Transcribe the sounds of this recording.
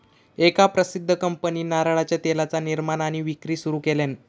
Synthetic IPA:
ekapɾəsid̪ʱːəkəmpəniːnaɾaɭat͡ɕjat̪elat͡saniɾmanaɽ̃iʋikɾiːsuɾuːkelen

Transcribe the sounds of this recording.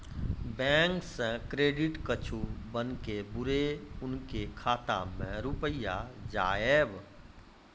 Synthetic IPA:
bɛ̃ːŋksẽkɾeːɖɪʈkət͡ʃʰubənkebʊɾeʊnkekʰaːt̪a̰mẽɾʊpəjad͡ʒaːeːb

